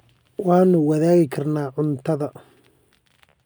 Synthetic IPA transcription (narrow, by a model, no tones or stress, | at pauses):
wɑːnʊwɐðaːɣɪkʰɐrnaːʕʊnt̪ʰɐðɐ